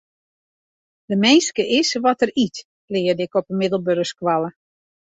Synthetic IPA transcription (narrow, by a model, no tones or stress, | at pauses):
d̥əmeːskəʔɪsʋɔtərit | lɪːədɪkɔpəmɪdəlˠbørskwalˠə